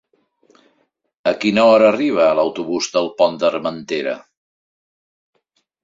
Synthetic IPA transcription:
əkinoəɾəriβ̞əːləwt̪uβuzd̪əlˠpɔnd̪əɾmənt̪eɾə̰

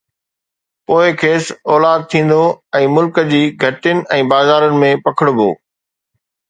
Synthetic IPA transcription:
poːɪkʰeːsɔːlaːd̪̚t̪ʰĩːn̆d̪oɛ̃ːmʊlkəd͡ʑiːɡʱɐʈɪnɪ̆ʔɛ̃ːbaːzaːɾənɪ̆mẽpɐkʰɪɽ̃ʊbʱo̰ː

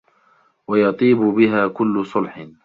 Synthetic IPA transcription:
wɑjɑt̪ˤiːbʊbɪɦaːkʊlːʊsˤʊlħɪ

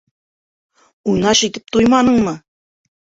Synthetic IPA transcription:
unɑʃit̪ɘp̚t̪ujmɑnɤɴmɤ

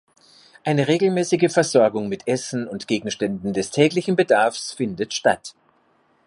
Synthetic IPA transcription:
ʔaɪnəʁeːɡl̩mɛːsɪɡəfɛɐzɔɐɡʊŋmɪtʔɛsn̩ʊntɡ̥eːɡŋ̩ʃtɛndn̩dɛstʰɛːklɪçn̩bədaɐfsfɪndətʃta̰t

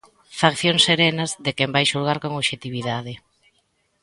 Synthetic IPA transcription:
fakθjoŋsːeɾɛnɐzðekɛmbajʃulɣaɾkoŋoβʃet̪iβiðað̞ɪ

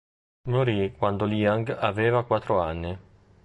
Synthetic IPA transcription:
moɾikwand̪oliaŋɡaveːvakwat̪ːɾoanːɪ

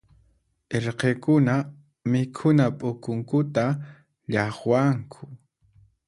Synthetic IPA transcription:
eɾqekʊna | mɪkʰʊnapʼʊkʊŋkʊt̪a | ʎɑχwaŋkʰʊ

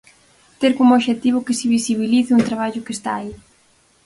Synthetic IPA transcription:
t̪eɾkomooʃet̪iβ̞ʊkɪsɪβisiβiliθɪunt̪ɾaβaʎʊkest̪a̰ːi

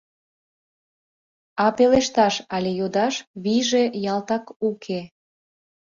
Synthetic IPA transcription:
ɑpeleʃt̪ɑʃɑlʲejod̪ɑʃβiʒejɑlt̪ɑkukʰe

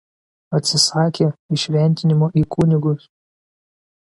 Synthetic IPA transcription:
ɐt̪ʲsʲɪsɑːkʲeːɪʃʲʋʲɛnʲt̪ʲɪnʲɪmoːʔiːkʰʊnʲɪɡʊs

